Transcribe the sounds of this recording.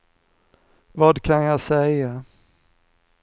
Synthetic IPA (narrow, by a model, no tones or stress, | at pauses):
vɑːd̪kʰanjɑsɛja